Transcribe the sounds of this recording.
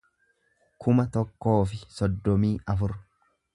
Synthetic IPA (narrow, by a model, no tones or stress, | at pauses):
kʰʊmɐt̪ɔkːo̞ːfɪsɔd̪ːɔmiːɐfʊɾ